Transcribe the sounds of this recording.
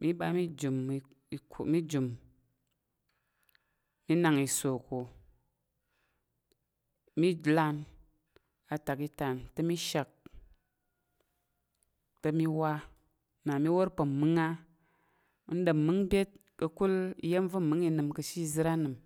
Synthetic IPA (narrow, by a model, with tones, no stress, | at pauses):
mi˦ɓa˧˦mi˦d͡ʒu˨m˨ | i˨kmi˦d͡ʒu˨m | mi˦na˨ŋi˨so˨ko˨ | mi˦d͡ʒla˧n | a˨ta˨ki˧ta˨ntə˦mi˦ʃa˨k̚ | tə˦mi˦wa˦ | na˨mi˦wo˦ɾpə˨mɨ˦ŋa˦ | n˦ɗə˨mːɨ˦ŋbʲe˦t̚ | kə˧ku˦lḭ˨˦je˦m˦və˦˨mɨ˨˦ŋi˧nɨ˨mkə˧ʃi˦zɨ˦ɾa˦nɨ˨m